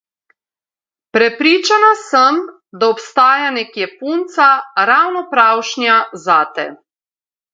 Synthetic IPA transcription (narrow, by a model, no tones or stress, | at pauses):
pɾɛpɾiːt͡ʃanasəm | d̪aɔpst̪aːjanɛkjɛpuːnt̪saɾawnɔpɾawʃnjazaːt̪ɛ̰